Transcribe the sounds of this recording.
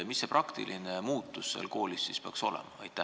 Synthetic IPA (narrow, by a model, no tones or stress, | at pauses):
misːeprʔɑkt̪ḭlʔinemuːt̪ˑːusːḛlko̞ːlisːispeɑkso̞lɛ̰mɑɑjt̪ːæ